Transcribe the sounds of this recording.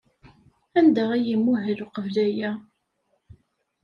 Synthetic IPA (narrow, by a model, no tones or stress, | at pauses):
ænd̪æʁæjimːuɦəluqəvlæjæ